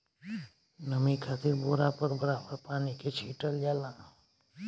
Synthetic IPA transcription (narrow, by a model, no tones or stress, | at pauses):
nəmĩkʰat̪ʰeboːɾapəɾbəɾabəɾpaːniket͡ʃʰiːʈəld͡ʒaːlã